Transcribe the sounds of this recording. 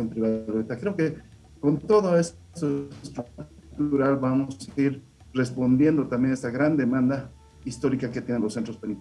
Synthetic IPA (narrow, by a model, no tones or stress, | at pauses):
jompɾiβaðet̪akɾe̞oke̞ | ko̞nt̪o̞ðoes | st̪ost̪ɾunt̪ult̪uɾalbamosaiɾ | re̞spo̞nd̪je̞nd̪o̞t̪ambje̞ne̞st̪aɣɾand̪e̞mãnd̪a | ist̪o̞ɾikake̞t̪je̞nenlosent̪ɾo̞speni